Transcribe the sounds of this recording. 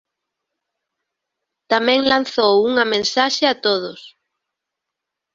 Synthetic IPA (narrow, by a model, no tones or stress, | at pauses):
t̪amɛ̃ŋlan̟θowuŋɐmẽnsaʃeat̪oð̞ʊs